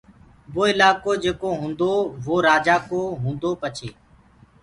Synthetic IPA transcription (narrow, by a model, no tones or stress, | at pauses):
boːɪlaːkoːd͡ʒeːkoːɦũːnd̪oːʋoːɾaːd͡ʒaːkoːɦũːnd̪oːpət͡ʃʰeː